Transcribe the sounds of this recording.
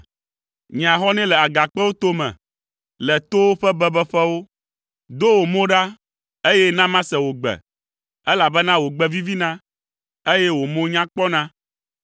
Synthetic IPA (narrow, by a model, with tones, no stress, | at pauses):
ɲ˨ã˨xɔ˦nɛ̃˦lɛ˨a˨ɡa˨k͡pɛ˦wo˦t̪o˦mɛ̰̃˨ | lɛ˨t̪o˦wɸɛ˦bɛ˦bɛ˦ɸɛ˦wo˦ | d̪o˦wo˨mõ˦ɖa˦ | e˦jɛ˦nã˦mã˦sɛ˨wo˨ɡ͡bɛ̰˨ | ɛ˦la˨bɛ˦nã˦wo˨ɡ͡bɛ˦vi˦vi˦nã˦ | e˦jɛ˦wo˨mõ˦ɲã˦k͡pɔ˦nã˦